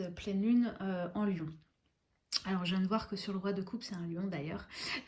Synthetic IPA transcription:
øplɛnynøɑ̃ljɔ̃ | alɔʁʒɛ̃nəvwaʁkəsyʁləʁwad̪əkʰupsɛt̪ɛ̃ljɔ̃d̪ajœːʁ

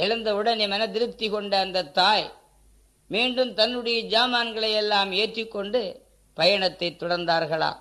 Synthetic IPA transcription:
ɛɭɐnd̪ɐɯɽɐnɛmɐnɐd̪ɪɾɯp̚t̪ːɪkɔɳɖɐːnd̪ɐt̪ːaːj | miːɳɖɯmt̪ɐnːɯɽɐjɐd͡ʒaːmaːnɡɐɭɐjɛlːaːmeːʈrɪkːɔɳɖɯ | pɐjɐɳɐt̪ːɐɪt̪ːɔɽɐɾnd̪aːɾɣɐɭa̰ː

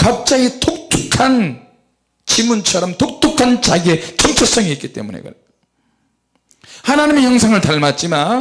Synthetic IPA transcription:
kap̚t͡ɕ͈aɡitʰok̚tʰukʰan | t͡ɕimunt͡ɕʰʌɾʌmtok̚t͈ʰukʰant͡ɕaɡiet͡ɕʌmt͡ɕʰʌs͈ʌŋiit̚k͈i̥t͈e̞̰munḛɡʌ̰ | hanaɲimeçjʌŋsʰaŋɯɭtaɭmat̚t͡ɕ͈ima

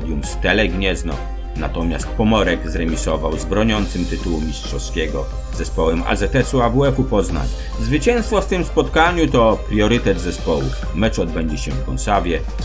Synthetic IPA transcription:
d̪ʲjumst̪ɛlɛɡɲɛznɔ̰ | na̰t̪ɔmʲjast̪̚pɔmɔɾɛɡzɾɛmʲisɔvawzbɾɔɲɔnt̪sɘmt̪ɘt̪uwumʲistʂɔskʲɛɡɔ | zɛspɔwɛma̰zɛt̪ɛsuavuɛkupɔzna̰ɲ | zvɘt͡ɕɛñst̪fɔft̪ɘmspɔt̪kaɲut̪ɔpɾʲjɔɾɘt̪ɛd̪zɛspɔwṵ | mɛt͡ʂɔd̪bɛɲd͡ʑiɕɛfkɔnsavʲjɛ

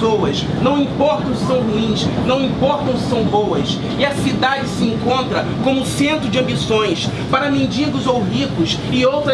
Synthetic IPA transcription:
owɐs | nɐ̃w̃ĩpɔɾt̪ɐ̃w̃sɐ̃w̃ɦuĩsnɐ̃w̃ĩpɔɾt̪ɐ̃w̃sɐ̃w̃bowɐs | ɪɐsid̪ad͡ʒɪsɪẽŋkõnt̪ɾɐ | kõmʊũsẽnt̪ɾʊd͡ʒɪɐ̃mbisõj̃s | paɾɐmẽnd͡ʒiɡʊzowɦikʊsɪowt̪ɾɐ

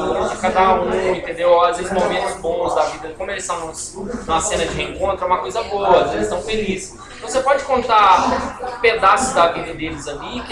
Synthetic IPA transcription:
sĩkad̪aũẽt̪ẽnd̪ewazvezɪzmomẽnt̪ʊzbõw̃zd̪ɐavid̪ɐikõmʊelɪst̪ɐ̃w̃nũsũmɐsẽnɐd͡ʒɪhẽŋkõnt̪ɾʊɛ̃mɐkojzɐbowɐzelɪst̪ɐ̃w̃felis | t̪ɐ̃w̃sepɔd͡ʒɪkõnt̪a | ped̪asʊzd̪ɐvidɐd̪elɪzalik

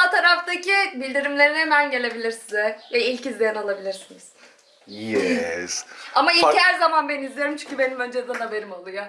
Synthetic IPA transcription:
at̪ʰaɾaft̪ʰacibilʲd̪iɾimlʲe̞ɾinhemænɟe̞lʲe̞bilʲiɾsizɛjɛilʲcizlʲejanalˠabilʲiɾsiniz̥ | jɛsamaicæɾzamanbenizlʲeeɾimt͡ʃʰyɲcʰybe̞nimø̞nd͡ʒed̪ɛnhabe̞ɾimolˠuja

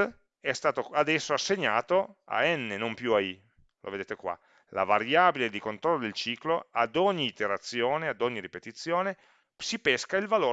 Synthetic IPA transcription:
ɛst̪aːt̪oad̪ɛsːoasːeɲːaːt̪oa̰ɛnːenompjuai | lʔo̰ved̪eːt̪ekwa̰ | la̰vaɾjaːbiled̪ikont̪ɾɔlːod̪elt͡ʃiːkload̪ɔɲːiːt̪eɾat̪sːjoːnead̪ɔɲːiɾipet̪it̪sːjoːne | sipɛskailvaloː

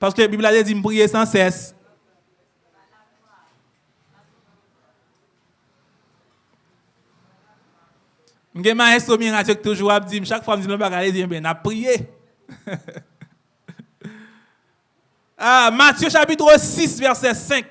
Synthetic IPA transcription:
paʁskøbiblat̪ed͡zim̩pʁijesɑ̃sɛs | m̩ɡɛ̃maɛ̃somĩʁadjoket̪uʒuʁap̚d͡zim̩ʃakfwam̩d͡zilɔ̃pakaled͡ziɛ̃bɛ̃napːʁije | amatjøʃapit̪ʁosisvɛʁsɛsɛ̃k̚

